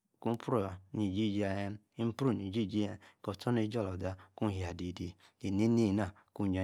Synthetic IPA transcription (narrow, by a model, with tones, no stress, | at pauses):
ku˦m̩˦pɾo˦˨a˨ni˨d͡ʒi˦˨d͡ʒi˨˦a˨e˦m˦ | i˦m̩˦pɾu˦˨ni˨d͡ʒi˦˨d͡ʒi˦a˨kɔ˨tʰɔ˦n˦e˦d͡ʒɔ˦˨lɔ˨da˦ku˦ɦja˨di˨di˨ | e˨ne˦ni˦˨na˨ | ku˦˨ɲ˨a˨